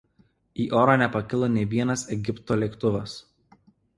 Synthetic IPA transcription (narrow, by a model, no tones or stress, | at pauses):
iːʔoːɾɐnʲɛpɐkʲɪlˠoːnʲɛɪʋʲiɛnɐsɛɡʲɪpt̪oːlʲɛkt̪ʊʋɐs